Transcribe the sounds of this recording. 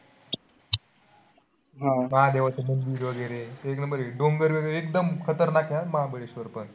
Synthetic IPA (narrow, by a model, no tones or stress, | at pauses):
ɦãməɦad̪eʋat͡semənd͡ʑiːɾʋəɡəjɾet̪eknəmbəɾeɖoŋɡəɾʋəɡəjɾeek̚d̪əmkʰət̪əɾnakʰeat̪məɦãbəɭeɕʋəɾpəɳ